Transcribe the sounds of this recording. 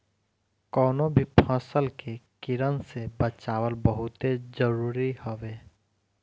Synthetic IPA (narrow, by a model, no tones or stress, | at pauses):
kɔːnõbʱipʰəsəlkekɪɾənsebət͡ʃaːwəlbəɦʊt̪ezəɾuːɾihoʋeː